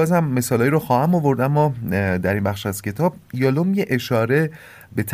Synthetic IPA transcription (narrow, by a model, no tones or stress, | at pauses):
ɒːzhæmːe̞sɒːlɒːjɾɔxɒːhæmovo̞ɾd̪æmːɒd̪æɾinbæxʃæz̥cʰe̞t̪ʰɒːb̚jɒlomjeʔeʃɒːɾe̞ | be̞t̪ʰ